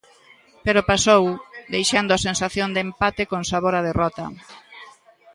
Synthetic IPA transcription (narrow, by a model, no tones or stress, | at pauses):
peɾopasowd̪ejʃand̪ʊasensaθjond̪empat̪ɪkoŋsaβoɾaðerɔt̪ɐ̰